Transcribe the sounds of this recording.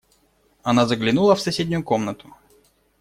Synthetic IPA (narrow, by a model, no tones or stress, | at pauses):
ɐnazəɡlʲɪnulˠəfsɐsʲedʲnʲʊjʊkomnət̪ʊ̥